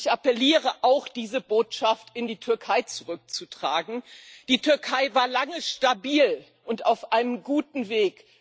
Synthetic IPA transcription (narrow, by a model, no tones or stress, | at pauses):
çʔapɛliːʁəʔaʊxd̥iːzəboːtʃaftɪndiːtʰʏɐkʰaɪt͡suʁʏk̚t͡sutʁ̥aːɡŋ̩d̥iːtʰʏɐkʰaɪvaːɐlaŋəʃtabiːl | ʔʊntaʊfʔaɪnəmɡuːtn̩veːk